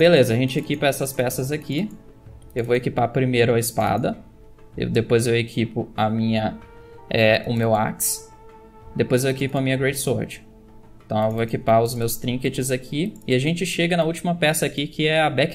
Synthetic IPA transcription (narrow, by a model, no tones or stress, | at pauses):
belezɐɐʒẽt͡ʃɪekipɐɛsɐspɛsɐzaki | ewvoekipapɾimejɾʊɐɪspa̰d̪ɐ | ḛwd̪epojzewekʰipʊɐmĩɲɐ | ɛʊmewa̰ks | d̪epojzewekipʊɐmĩɲɐɡɾejd͡ʒsɔɾd͡ʒɪ̥̃ | t̪ɐ̃w̃ewvoekipaʊzmewst̪ɾĩket͡ʃɪzakʰiɪaʒẽnt͡ʃɪʃeɡɐnɐut͡ʃimɐpɛsɐːkikʰɪɛɐbɛk